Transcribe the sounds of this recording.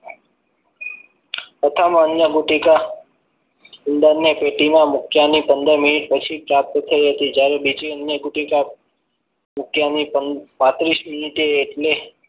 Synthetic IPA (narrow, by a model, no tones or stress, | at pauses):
ət̪ʰamãənjəɡuʈika | ənd̪ənjəpeʈimãmʊkjanipənd̪əɾmɪniʈ̚pət͡ʃʰipɾap̚t̪t̪ʰəiɦət̪id͡ʒjaɾebid͡ʒiənjəɡuʈika | mʊkjanipəpat̪ɾismɪniʈeːʈle